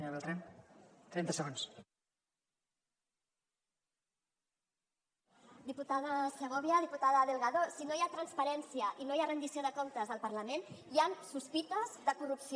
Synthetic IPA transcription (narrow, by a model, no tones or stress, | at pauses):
ɲoβɛlˠt̪ɾant̪ɾɛnt̪əsəɣons | d̪iput̪aðəsləɣ̞oβjaðiput̪aðəðəlɣaðosinojat̪ɾənspəɾɛnsiəʔinojarənd̪isioðəkomt̪əzðəlˠpəɾləmenjansuspit̪əzðəkurupsi